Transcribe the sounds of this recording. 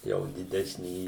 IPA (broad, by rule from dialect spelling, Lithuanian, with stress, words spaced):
ˈjɛʊ dʲɪˈdʲæːsʲnʲiː